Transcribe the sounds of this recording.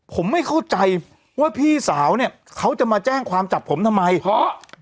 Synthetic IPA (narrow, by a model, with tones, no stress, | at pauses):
pʰo˩˦mːa˥˩jkʰa˥˩wt͡ɕa˧j | waː˥˩pʰiː˥˩saː˩˦wni˥˩ɐ | kʰa˦˥wt͡ɕa˨˩maː˧t͡ɕɛː˥˩ŋkʰwaː˧mt͡ɕa˨˩pʰːo˩˦mt̪ʰa˧mːa˧jɔ˦˥